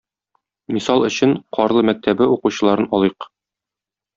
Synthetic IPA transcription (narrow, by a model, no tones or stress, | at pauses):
misɑlˠɵ̆ɕɘɴqʰɒɾlˠɤmæk̚t̪ʰæbɘuquɕɤ̆lˠɑɾɤnɒlˠiq